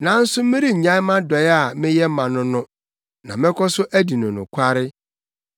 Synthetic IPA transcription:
nã˨˦n̩˦sʊ˦mɪ̃˦ɾi˦˨ɲã˦mã˦dɔ˨jɪ˦a˦˨mɪ̃˦jɛ˦mã˨nʊ̃˦nʊ̃˦ | nã˨mɪ̃˦kʰɔ˦sʊ˦ʔæ˦di˨nʊ̃˨nʊ̰̃˨kʷʰa˦ɾɪ˦

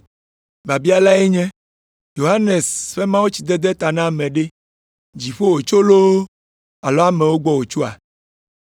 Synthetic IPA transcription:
ba˨bi˦a˨la˦e˦ɲɛ̃˦ | jo˨ɦa˦ne˨sɸe˦mã˦wo˦t͡ɕi˨d̪ɛ˦d̪ɛ˦t̪a˨nã˦˨mẽ˨ɖe˦ | d͡ʑi˨ɸo˦wo˨t͡ʃo˦lo˦ | a˨lɔ˦a˦mẽ˨wo˦ɡ͡bɔ˦wo˨t͡ʃu˦a̰˨

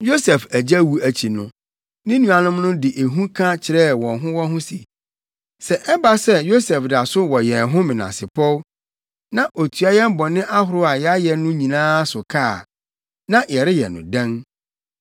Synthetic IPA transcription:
jo˦sɛ˨fæ˨d͡ʑæ˦wu˨æ˨t͡ɕʰi˨nʊ̃˦ | nɪ̃˦nũ˨a˨nʊ̃˦mnʊ̃˦dɪ˨ʔe˨ɦũ˦kʰã˦t͡ɕʰɪ˨ɾɛ˦˨wɔ̃˨nɦʊ̃˦wɔ˦ɦʊ̃˦sḭ˨ | sɛ˨ʔɛ˦ba˦sɛ˦jo˦sɛ˨fda˨sʊ˦wɔ˨jɛ˨ɦʊ̃˦mɪ̃˨nã̰˨sɪ˨pʰɔ˦w | nã˦ʔo˨tʰu˨a˦jɛ˦m˦bɔ˨nɪ̃˦ʔa˦ɦʊ˨ɾʊ˦a˨jɛ˦a˦jɛ˨nʊ̃˦ɲĩ˨nãː˦sʊ˨kʰaː˦˨ | nã˦jɛ˨ɾɪ˦jɛ̰˨nʊ̰̃˨dã˦ŋ

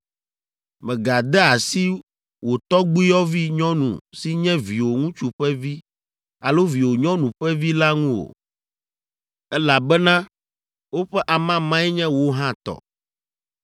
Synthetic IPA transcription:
mɛ̃˨ɡa˨d̪ɛ˦a˨si˦ | wo˨t̪ɔ˦ɡ͡bu˦i˦jɔ˦vi˦ɲɔ̃˦nṵ̃˨si˦ɲɛ̃˦vi˨wo˨ŋũ˦t͡ʃu˦ɸɛ˦vi˦ | a˨lo˦vi˨wo˨ɲɔ̃˦nũ˨ɸɛ˦vi˦la˦ŋũ˦wo̰˨ | ɛ˦la˨bɛ˦nã˦ | wo˦ɸɛ˦ʔa˨mã˦mã˦ɛ˦ɲɛ̃˦wo˦ɦã˦t̪ɔ̰˨

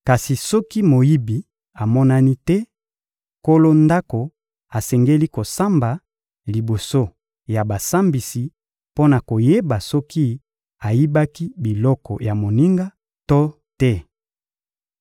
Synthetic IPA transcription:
ka˨si˨sɔ˦ki˦mo˨ji˦bi˨ | a˨mɔ˦na˦ni˦tɛ˦ | ko˦lo˦nda˦ko˨ | a˨sɛ˨ŋɡe˦li˦ko˨sa˦mba˨ | li˨bo˨so˦ | ja˨ba˨sa˦mbi˨si˨ | po˦na˨ko˨je˦ba˨sɔ˦ki˦ | a˨ji˦ba˦ki˦bi˨lɔ˦kɔ˨ja˨mo˨ni˦ŋɡa˦ | to˦ | tɛ˦

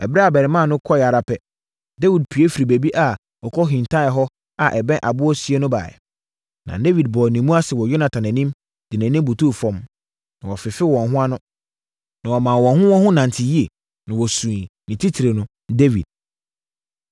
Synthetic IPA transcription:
ɛ˨bɾɛ˦a˨bɛ˨ɾɪ˨mã˦˨nʊ̃˦kʰɔ˦ja˨ɾa˨pʰɛ˦ | de˦wi˨d̚pʰi˨e˦fi˨ɾi˨be˨bi˦ʔa˨ | ɔ˨kʰɔ˦ɦĩ˨n˨tʰã˦ɛ˨ɦɔ˦ | a˨ʔɛ˨bɛ̃˦ʔa˨bʊ˦ɔ˦si˦e˦nʊ̃˦ba̰ː˨ɛ̰˨ | nã̰˨de˦vi˨d̚bɔː˨nĩ˨mũ˦a˦sɪ˨wɔ˨jo˦nã˨tʰã˨næ̃˨nĩ˦m | d̥ɪ˨næ̃˨nĩ˦m˦bu˨tʰu˦˨fɔ̃˨m | nã˨ɔ˨fɪ˨fɪ˦wɔ̃˨nɦʊ̃˦a˦nʊ̃˦ | nã˨wɔ˨mã˨wɔ̃˨nɦʊ̃˦wɔ̃˦nɦʊ̃˦nã˨ntʰɪ˨ji˦e˨ | nã˨wɔ˨sũ˨nĩ˨tʰi˦tʰi˨ɾe˨nʊ̃˦ | de˦vḭ˨d̥̚

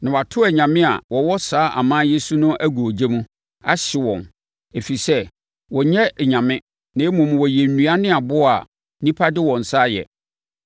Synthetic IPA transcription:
nã˨wa˨tʰʊ˦ɛ˨ɲã˨mɪ̃˦a̰˨wɔ˨wɔ˦saː˨˦ʔa̰˨mãː˦je˦su˦nʊ̃˦ʔæ˦ɡu˨o˨d͡ʑe˦mũ˦ | a̰˦ɕɪ˨wɔ̰̃˨n | e˨fi˨sɛ˦ | wɔ˨ɲɛ̃˦˨ɲã˨mɪ̃˦ | nã˨e˦mũ˨m˨wɔ˨jɛ˨n˨nũ˨a˦nɪ̃˦a˨bʊ˦a̰˨ | nĩ˦pʰa˦dɪ˦wɔ̃˨n̩˨saː˦jɛ̰˨

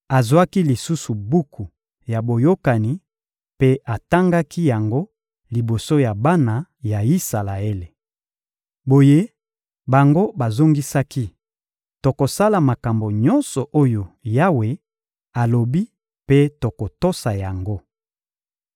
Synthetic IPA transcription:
a˨zwa˦ki˦li˨su˦su˨bu˦kʰu˨ | ja˨bo˨jo˦ka˨ni˦ | pe˦a˨ta˦ŋɡa˦ki˦ja˨ŋɡo˦ | li˨bo˨so˦ja˨ba˦na˨ja˨i˦sa˨la˨e˦le˨ | bo˨je˦ | ba˨ŋɡo˦ba˨zo˦ŋɡi˦sa˦ki˦ | to˨ko˨sa˦la˨ma˨ka˨mbo˨ɲɔ˦nsɔ˨ʔo˦jo˨ja˦we˨ | a˨lo˨bi˦ | pe˦to˨ko˨to˦sa˨ja˨ŋɡo˦

